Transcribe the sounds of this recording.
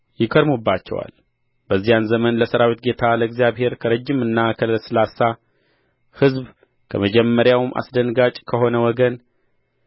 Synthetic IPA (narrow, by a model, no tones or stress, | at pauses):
jɪkʰəd̪mubːat͡ʃːɛ̰wa̰l | bəzːijanzəmənləsəɾawit̪̚ɡe̞t̪ʰaləɡzijaβhe̞ɾkʰəɾəd͡ʒːɪmɨnːakʰəlɨlsɨlasa | hɨzb | kʰə̰məd͡ʒɛmːəɾjawmʔa̰sd̪ənɡat͡ʃʼkʰəho̞nəwɔɡən